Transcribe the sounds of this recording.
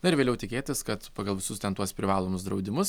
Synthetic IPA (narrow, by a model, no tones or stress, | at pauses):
nɐɪɾʋʲeːlʲɛʊt̪ʲɪkʲeːt̪ʲɪskɐt̪pɑːɡɐlˠʋʲɪsʊst̪ʲɛnt̪uɔspʲɾʲɪʋɑːlˠoːmʊsd̪ɾɐʊd̪ʲɪmʊs